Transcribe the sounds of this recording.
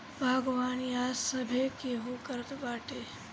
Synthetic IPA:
bʱaɡʋaːnijaːsəbʱekeːɦukəɾət̪baːʈeː

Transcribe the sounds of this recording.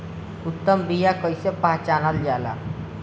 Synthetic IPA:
ut̪ːəmbijakəjsepaɦt͡ɕanald͡ʒjala̰

